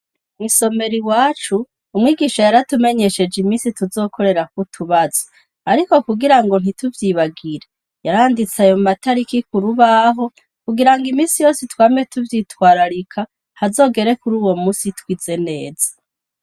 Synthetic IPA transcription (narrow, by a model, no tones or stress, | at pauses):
muso̞me̞ɾiwaːt͡ʃuː | mŋiːɡiːʃajaɾatume̞ɲe̞ʃe̞d͡ʒimiːsituzo̞ːkʰo̞ɾe̞ɾak̚utʰuβaz̥o | aɾiko̞kuɡiɾaŋɡo̞n̥ituvjiβaɡiɾe | jaɾaːndit͡sajomataɾikikuɾuβaɦo̞ | kuɡiɾaŋɡimiːnsijo̞ːsetwaːmietuvjitwaːɾaɾikʰa | hazo̞ːɡe̞ɾe̞kuɾuːwo̞muːsitwiːze̞ne̞ːz̥ḁ